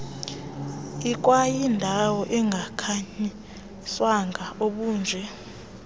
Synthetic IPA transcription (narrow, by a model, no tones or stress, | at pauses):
ik̬ʼwajindʱawɔʔɛŋɡʱakʰaɲi | swaŋɡʱaoɓuːnd͡zʱɛ